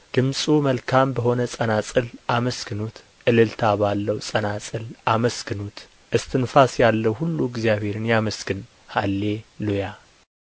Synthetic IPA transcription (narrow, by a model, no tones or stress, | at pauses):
d̪̥ɨmsʼuməlkʰambəɦo̞nəsʼənasʼɨlʔaməskɨnut̪ | ʔɨlɨlt̪ʰabalːəwsʼənasʼɨlʔaməsɡɨnut̪ | ʔɨst̪ʰɨnfasjalːəwhulːuɪɡzijaβhe̞ɾɨnjaməskɨn | halːe̞loja